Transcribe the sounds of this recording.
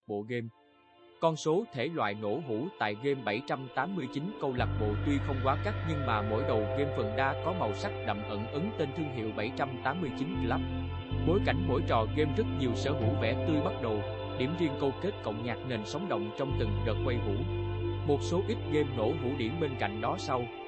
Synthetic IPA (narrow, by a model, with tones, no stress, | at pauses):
ɓo̰˧˨ɣe˧m | kɔ˧nso˨˦t̪ʰe˧˩lwa̰ː˧˨jŋo̰˧˥ɦu˧˥t̪a̰ː˧˨jɣe˧mɓə˧˩jt͡ɕa˧mt̪aː˨˦mːɨ˧əjt͡ɕi˨˦nkə˧wla˨˩k̚ɓo̰˧˨t̪wi˧xə˧wŋ͡mkwaː˨˦ka˦˥k̚ɲɨ˧ŋmaː˨˩mo̰˧˥jɗə˨˩wɣe˧mfə˨˩nɗaː˧kɔ˨˦ma˨˩wsa˦˥k̚ɗa̰˧˨mʔə˧˩nʔɨ˨˦ŋt̪e˧nt̪ʰɨ˧əŋɦḭ˧˨əwɓa˧˩jt͡ɕa˧mt̪aː˨˦mːɨ˧əjt͡ɕi˨˦nlaː˦˥p̚ | ɓo˨˦jka˧˩jŋ̟mo̰˧˥jt͡ɕɔ̰˧˨ɣe˧mzɨ˦˥t̚ɲi˨˩əwsəː˧ɦṵ˧˩˥vɛ̰˧˩t̪ɨ˧jɓa˦˥t̚ɗə˨˩w | ɗi˧˩əmvi˧əŋkə˧wke˦˥t̚kə̰˧˨wŋ͡mɲaː˨˩k̚ne˨˩nsə˨˦wŋ͡mɗə̰˧˨wŋ͡mt͡ɕɔ˧wŋ͡mt̪ɨ˨˩ŋɗɨ˨˩k̚kwə˧jɦṵ˧˩˥mo˨˩t̚so˨˦ʔi˦˥t̚ɣe˧mŋo̰˧˥ɦṵ˧˩˥ɗi˧˩əmɓe˧nka̰˧˨jŋ̟ɗɔ˨˦sa˧w